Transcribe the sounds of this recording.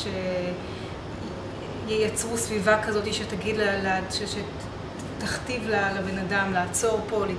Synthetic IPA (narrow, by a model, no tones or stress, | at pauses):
ʃe | jejat͡sʁusvivakazo̞t̪iʃetaɡidlalaʃeʃe | t̪aχt̪ivlalebe̞nadamlaːt͡so̞ʁpo̞li